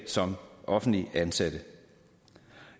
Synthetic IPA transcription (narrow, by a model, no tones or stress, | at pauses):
sɒ̽mʔɒ̽fn̩dliʔænsæd̥ə